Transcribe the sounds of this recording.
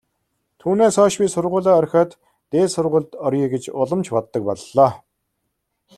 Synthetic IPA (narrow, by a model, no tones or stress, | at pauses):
t̪ʰuːneːsɔːʃpʲiːsʊrʁʊːɮaːœrʲxʲɔːt̪ː | eːsʊrʁʊːɮt̪ɔriːɡet͡ɕʊɮə̆mt͡ɕpɔt̪ːə̆k̚pɔɮːɔː